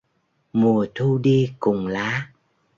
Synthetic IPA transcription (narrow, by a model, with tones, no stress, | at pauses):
mu˨˩ət̪ʰu˧ɗi˧kʊ˨˩ŋ͡mlaː˨˦